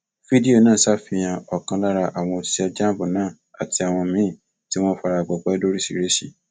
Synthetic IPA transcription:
fi˦di˦o˦˨nãː˦˨sa˦fĩ˧j̃ã˧ɔ˨kã˧la˦ɾa˧ʔa˨w̃ɔ̃˧˨˦ɛ˧d͡ʒa˦bũ˨nãː˦˨ | a˨ti˧a˨w̃ɔ̃˧mĩ˨˦˨ | ti˦w̃ɔ̃˦fa˧ɾa˧˨ɡ͡bɔ˨ɡ͡bɛ˨˦do˦ɾi˦si˨ɾe˨˦sḭ˦˨

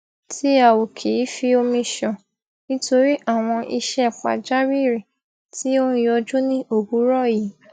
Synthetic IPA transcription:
tʰi˦a˨wo˨kʰe˨i˨˦fi˧o˧mĩ˧ʃɔ˨ | nĩ˦to˧ɾi˦ʔa˦˨w̃ɔ̃˧ʔi˧ʃɛ˧˨k͡pa̰˨d͡ʒa˦wi˦˨ɾe˨ | ti˦o˦ũ˦˧jɔ˧d͡ʒũ˦nĩ˦o˦˨ɡu˨˦ɾɔ˦˨ji˨˦

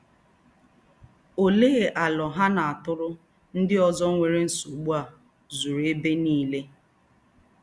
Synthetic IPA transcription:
o˨leː˦˨ʔa˨lɔ˨ɦa˦na˨a˨tʊ˦ɾʊ˦ | n̩˦dɪ˦ɔ˨zɔ˦ŋʷe˨ɾe˦n̩˨su˨ɡ͡bu˦a˨ | zu˨ɾe˦be˦niː˦le˦

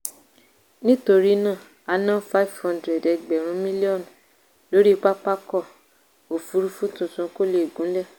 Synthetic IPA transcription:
nĩ˦to˧ɾi˦nãː˦˨ | a˧nã˦fa˦i˨vhɔ̃˦ndɾɛ˨dɛ˧ɡ͡bɛ˨ɾ̃ũ˨˦mĩ˦li˦ɔ˦˨n | lo˨˦ɾi˦k͡pa˦k͡pa˦kɔ˦˨ | o˨fu˨˧ɾu˦fũ˦tũ˦˨tũ˨˦ko˦le˦i˨ɡũ˨˦lɛ˦˨

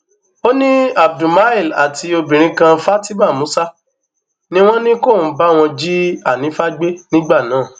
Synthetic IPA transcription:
o˦nĩ˦a˨b̚dũ˨ma˨˦i˦˨la̰˨tʰi˧o˧bĩ˨ɾ̃ĩ˨˧kã˧fa˦ti˦mã˦˨mũ˨˦sa˦ | nĩ˦w̃ɔ̃˦nĩ˦ko˦˨n̩˨˦ba˦˨w̃ɔ̃˧d͡ʒi˦a˦˨nĩ˨˦fa˦ɡ͡be˦nĩ˦ɡ͡ba˦˨nãː˨˦˨

